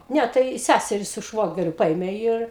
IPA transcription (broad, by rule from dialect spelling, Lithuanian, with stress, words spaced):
ˈnʲɛ tɐɪ ˈsʲæsʲɛrʲɪ sʊ ˈʃʋoːɡʲɛrʲʊ ˈpɐeːmʲeː ɪr